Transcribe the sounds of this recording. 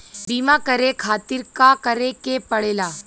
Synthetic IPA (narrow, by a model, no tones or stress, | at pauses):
biːmakɐɾekʰaːt̪ɪɾkakəɾekepɐɽeːlaː